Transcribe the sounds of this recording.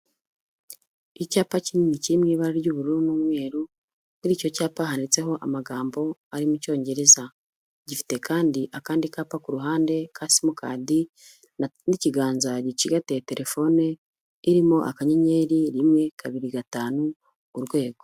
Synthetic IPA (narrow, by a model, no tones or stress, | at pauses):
icaːpaciniɲiciimŋiːβaɾaɾɟuːβuɾuɾunuːmŋe̞ːɾu | niɾiːco̞caːpaɦanit͡se̞ɦo̞ʔamaɡaːmbo̞aɾimuco̞ːɲɟe̞ɾe̞za | ɟifi̥te̞kaːndiʔakaːndikaːpakuɾuɦaːnde̞kʰasimukʰa̰ːdi | niciɡaːnzaɟiciɡatete̞ɾʔe̞fo̞ne | iɾimoʔa̰kaɲeɲeːɾiɾimŋe̞kʰaβiɾiɡataːnu | uɾɡwe̞ːɡo̞